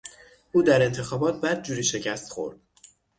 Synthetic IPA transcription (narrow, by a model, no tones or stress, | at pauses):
ʔuːd̪æɾe̞nt̪ʰe̞xɒːbɒːt̪̚bæd̪̚d͡ʒuːɾiːʃe̞cʰæst̪xo̞̰ɾd̪̥